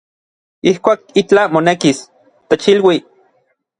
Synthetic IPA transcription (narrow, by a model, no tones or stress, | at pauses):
ihkʷaːk̚it͡ɬamonekis | t̪et͡ʃilwi